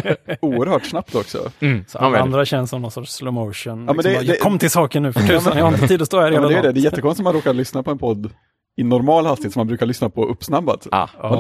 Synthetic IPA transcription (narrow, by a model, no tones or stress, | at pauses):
uːəɾhœːʈsnap̚t̪ɔksɔ̰ | and̪ɾaɕɛnsɔmnɔnsɔʈʂlɔmoʂənɑːmɛnd̪ɛɛkʰɔmːt̪ʰɪlsɑːkəɳʉːfʰʉmɛiːd̪ɔst̪oːæɾmɛdɛjd̪ɛd̪ɛjɛt̪ːəkɔnst̪ɔmanɾoːkaɾɭʏsnapʰɔɛnpʰɔd̪ː | ɪnɔɾmɑːlhalst̪ɪɪːt̪sɔmːanbɾʉkaɭʏsnapʰɔɵpːsnabːa̰t̪